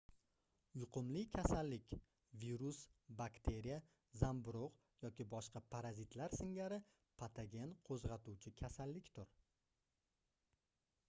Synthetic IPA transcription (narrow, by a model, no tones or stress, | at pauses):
jʊqʰʊmlɪkʲʰasalːɪkʲ | viɾusbakt̪ʰe̞ɾija | zambʊɾoq | jɒkʲɪbɒʃqʰɑpʰaɾazɪt̪ʰlaɾsɪŋɡʲaɾɪ | pʰat̪ʰaɡʲe̞nqʰozʁɑt̪uwt͡ʃʰɪkʲʰasalːɪkʲt̪ʰʊɾ